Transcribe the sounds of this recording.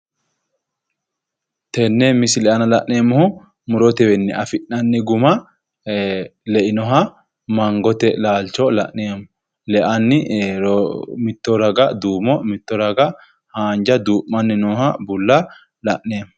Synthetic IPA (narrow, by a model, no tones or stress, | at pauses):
t̪ɛnːɛmɪsɪlɛʔɐnɐlɐʔːeːmːʊhʊ | mʊɾɔt̪ɛwɛnːɛʔɐfɪʔːɐnːɪɡʊmɐ | lɛʔɪnɔɦɐ | mɐŋɡɔt̪ɛlaːlt͡ʃɔlɐ̰ʔnːemʊ | lɛʔɐnːɪɾmɪt̪ːɔɾɐɡɐd̪uːmɔmɪt̪ːɔɾɐɡɐ | haːnd͡ʒɐd̪uːʔːɐnːɪnɔːhɐbʊlːɐ | lɐʔːeːmʊ